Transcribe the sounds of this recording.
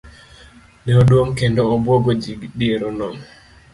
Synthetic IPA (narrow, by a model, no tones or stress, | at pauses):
nɛodwoŋkendoːbwoɡod͡ʒiɡdieɾonɔm